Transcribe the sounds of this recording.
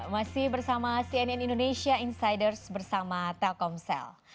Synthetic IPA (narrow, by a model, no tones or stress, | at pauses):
masɪhbərsamasiɛnɛnindonesiainsajdərsbərsamat̪ɛlkɔmsɛ̰l